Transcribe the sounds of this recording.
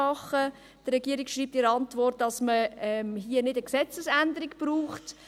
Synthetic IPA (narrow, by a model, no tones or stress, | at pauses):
ɑχə | d̥ərɾɛɡiəɾikʃriːp̚tɪɾəɑntʋɔrt̚ːd̥ɑsməɛmɦiənɪdəksɛt͡səsændəɾɪkb̥ɾuːχt